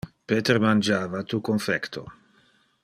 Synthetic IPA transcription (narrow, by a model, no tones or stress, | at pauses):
peːt̪eɾmand͡ʒaːvat̪ukonfɛkt̪ʰo